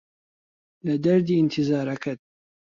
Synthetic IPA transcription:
lɐd̪ɐɾd̪iːɪnt̪ʰizaːɾɐkʰɐd̪̚

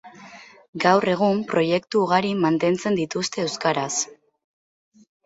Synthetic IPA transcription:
ɡawre̞ɣ̞umpɾo̞je̞kt̪uːɣ̞aɾimant̪e̞nt͡se̞nd̪it̪ust̪e̞ːwskaɾas

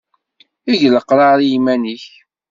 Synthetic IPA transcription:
iʝləqːɾɑɾijimæniç

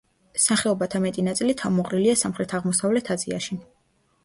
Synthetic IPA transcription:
saχɛɔbat̪ʰamɛt̪ʼinat̪sʼilit̪ʰamɔqʼɾiliasamχɾɛt̪ʰaʁmɔsavlɛt̪ʰad̪zʼia̰ʃi

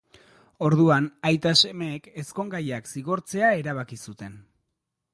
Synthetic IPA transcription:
o̞ɾðuanajt̪ase̞meːke̞sko̞ŋɡajaksiɣo̞ɾt͡se̞ae̞ɾaβ̞akisut̪e̞n

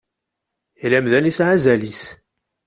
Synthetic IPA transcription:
læmðænisʕazælis

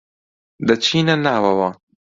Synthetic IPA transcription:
d̪ɐt͡ʃʰiːnɐnaːwɐwaː

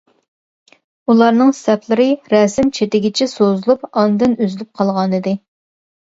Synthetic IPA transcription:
ulˠɑɾnɨŋsst̪ɛpʰlˠɨɾɨɾɛsɪmt͡ʃʰet̪ɪɡʲɪt͡ʃʰɛsozulˠupɑnd̪ɨnyzylyp̚qʰɑlˠʁɑnɨd̪ɨ

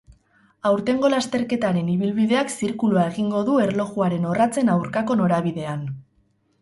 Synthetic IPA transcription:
awɾt̪e̞ŋɡo̞last̪e̞ɾke̞t̪aɾe̞niβ̞ilβiðe̞aksiɾkuluae̞ɣiŋɡo̞ðue̞ɾlo̞ɣuaɾe̞no̞rat͡se̞nawɾkako̞no̞ɾaβ̞iðe̞an

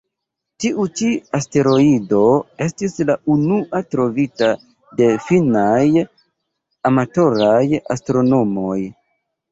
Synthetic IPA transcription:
tiʔut͡ʃiaste̞ɾo̞ido̞e̞stislaunuʔatɾo̞vita | de̞finaj | amato̞ɾaja̰stɾo̞no̞mo̞j

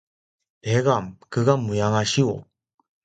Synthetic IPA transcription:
eɡamkɯɡamujaŋaɕio̰

